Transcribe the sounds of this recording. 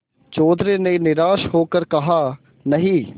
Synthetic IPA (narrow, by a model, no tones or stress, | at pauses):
t͡ʃoːd̪ɾenenɪɾaːʃɦoːkəɾkɐɦaː | nəɦĩː